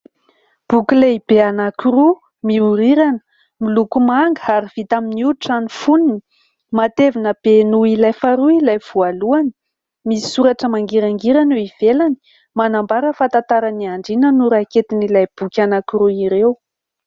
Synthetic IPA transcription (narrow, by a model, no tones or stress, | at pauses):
b̥ukʲileibeanakuɾu | miuɾiɾanə̥ | milukumaŋɡəaɾiv̥it̪aminuʈ͡ʂanifuninii | mat̪evinəb̥enuilajfaɾuilajv̥ualuani̥ | misi̥suɾaʈ͡ʂəmaŋɡiɾaŋɡiɾanuiv̥elani̥ | manambaɾəfant̪at̪aɾaniaɳɖ͡ʐinənuɾaket̪inilajb̥ukʲanakuɾuiɾew